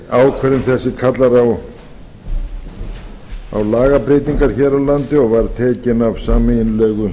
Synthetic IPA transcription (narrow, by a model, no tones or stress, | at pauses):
aːwkʰvɛɾɪnθɛsːɪkʰat̪laɾaw | a̰wlaːɣapɾeːt̪iŋkaɾ̥çɛːɾawlant̪ɪɔɣvaɾt̪ʰɛːcɪnavsaːmɪɪnlɛːɣʏ